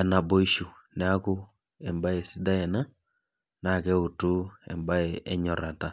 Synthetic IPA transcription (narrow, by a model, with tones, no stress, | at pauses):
a˨na˨bo˦i˦ʃu˨ | nɛ˨˦a˦kʊ˦ | ɛ˨mba˦e˨sɪ˦da˦ɛ˨na˦ | na˨kɛ˦u˨tu˦ɛ̰˨mba˦e˨ɛ˦ɲɔ˨ɾa˨ta˦